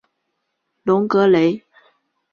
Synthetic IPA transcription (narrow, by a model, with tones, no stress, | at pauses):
lʊ˧˥ŋkɤ˧˥le˧˥ɪ